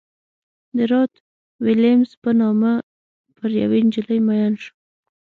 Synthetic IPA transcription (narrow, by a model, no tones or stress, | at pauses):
d̪əɾɑt̪ | wilemspənɑma | pəɾja̰wend͡ʒələjmajɑnʃə̥